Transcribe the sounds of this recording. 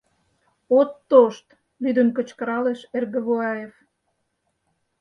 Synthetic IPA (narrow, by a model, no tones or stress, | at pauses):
ot̪ːoʃt̪ | βyd̪ə̆nkə̆t͡ɕkə̆ɾɑleʃerɣə̆βoɑjef